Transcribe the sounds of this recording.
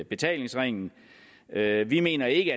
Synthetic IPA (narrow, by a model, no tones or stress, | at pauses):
b̥e̝t͡sʰɛ̰ːle̝ŋsʁeŋ̰n̩ | øʋime̝̰ːnɐe̝ɡ̥əæ